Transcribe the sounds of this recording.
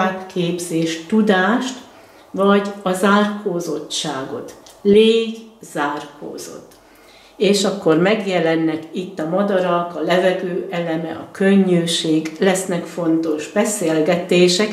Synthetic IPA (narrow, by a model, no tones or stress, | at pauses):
aːbkʰeːbzeːʃt̪ud̪aːʃt̪ | vɒɟɒzaːrkʰoːzo̞tːaːɡo̞̰t̪leːɡzaːrko̰ːz̥o̞̰t̪ː | eːʃɒkːo̞rmɛɡjɛlɛnːɛkit̪ːɒmɒd̪ɒɾɒkɒlɛvɛɡøːʔɛlɛmɛ̰ʔɒkøɲːøːʃeːɡlɛsnɛkfo̞nt̪o̞ʒbɛseːlɡɛt̪eːʃɛk